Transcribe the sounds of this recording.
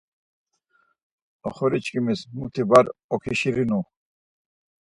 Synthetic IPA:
ɔχɔɾit͡ʃʰkʼimismut̪ʰibaɾɔkʰiʃiɾinu

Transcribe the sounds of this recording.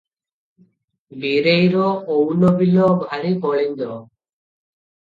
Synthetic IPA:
biɾejɾɔownɔbilɔbʱaɽ̃ibɔɭiɲd̪ɔ

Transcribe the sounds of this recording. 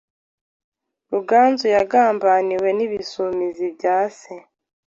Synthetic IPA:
ɾuɡaːnzujaɡaːmbaːniwe̞niβisumizibɟaːse

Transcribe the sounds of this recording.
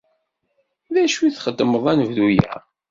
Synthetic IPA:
ðæʃwiθχəd̪ːəməðˤænəvðujæ̰

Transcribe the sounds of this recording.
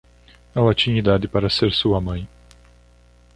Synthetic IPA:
ɛlɐt͡ʃĩɲid̪ad̪ɪpaɾɐseɾsuɐmɐ̃j̃

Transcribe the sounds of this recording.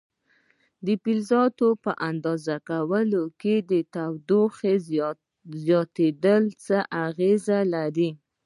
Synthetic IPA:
d̪əpilzɑt̪opəʔand̪ɑzakawəloked̪ət̪awd̪oxe | zjɑt̪ed̪əlt͡səʔaɣezalaɾi

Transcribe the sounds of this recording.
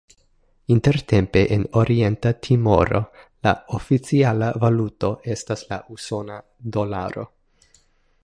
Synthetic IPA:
inte̞ɾte̞mpe̞ʔeno̞ɾʔie̞ntatʰimo̞̰ɾo̞̰laofit͡sialavaluto̞ʔe̞staslaʔuso̞na | do̞la̰ɾo̞̰

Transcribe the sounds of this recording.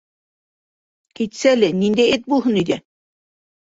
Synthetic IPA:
kit̪ʲsælʲenʲind̪ʲeet̪̚bulˠɦɤ̆nid̪ʲe

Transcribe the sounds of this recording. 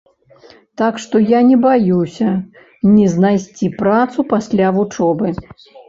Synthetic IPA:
t̪akʂt̪ɔjanʲɛbajusʲɐ | nʲiznajsʲt͡sʲipɾat̪supasʲlʲavut͡ʂɔbɨ

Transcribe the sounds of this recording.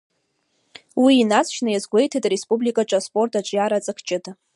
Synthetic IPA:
wiːnat͡sʰʃnɨjazɡʷe̞jtʰatʼrespʼublikʼaʈ͡ʂʼaspʼo̞rtʰaʈ͡ʂʷʼjaɾat͡sʼɨkʰt͡ʃʼɪtʼ

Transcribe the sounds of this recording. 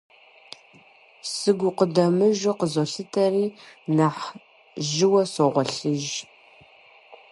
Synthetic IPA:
sɨɡʷʊqədɐmɨʒʊqəzɔɬɨtʰɐriːnaħ | ʒɪwɐsoʁʷɔɬɨʒ

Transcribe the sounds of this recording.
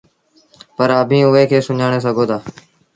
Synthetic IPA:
pəɾəbʱĩːʊeːkʰeːsʊɲaːɽ̃eːs̬əɡʱoːt̪ʰaː

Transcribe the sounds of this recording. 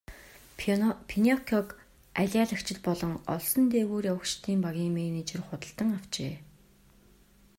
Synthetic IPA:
pʰinʲɔkʰɔk | æɮʲaɮə̆kt͡ɕɪ̆t̪̚pɔɮɞ̆ŋɔ̰ɮsɞ̆nt̪eːɣuːrjawə̆kt͡ɕt̪ʰiːmpaɣʲiːŋmeːniːt͡ɕɪ̆rχʊt̪ə̆ɬt̪ə̆ŋaw̥t͡ɕeː

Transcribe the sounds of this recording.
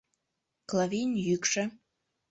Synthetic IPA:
klavinʲjykʃə̆

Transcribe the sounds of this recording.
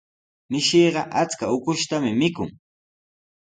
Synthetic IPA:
mɪʃeːɢɑʔat͡skaʊkʊʃt̪amɪmɪkʊ̰ŋ

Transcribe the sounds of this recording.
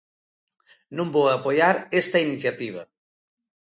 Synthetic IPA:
nõmbowapojaɾest̪ɐiniθjat̪iβ̞ɐ

